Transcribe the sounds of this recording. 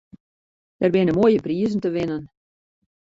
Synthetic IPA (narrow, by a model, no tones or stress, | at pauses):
d̥ɛrbɪnəmoəjəpriəzntəʋɪnən